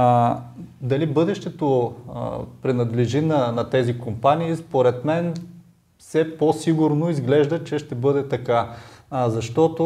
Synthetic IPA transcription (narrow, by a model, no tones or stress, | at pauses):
d̪ɐlibɤd̪ɛʃt̪ɛt̪o | pɾɛnɐd̪lɛʒinɐnɐt̪ɛzikompaniːspoɾɛt̪mɛn | fsɛposiɡʊɾnoizɡlɛʒd̪ət͡ʃɛʃt̪ɛbɤd̪ɛt̪ɐkazɐʃt̪ɔt̪ʊ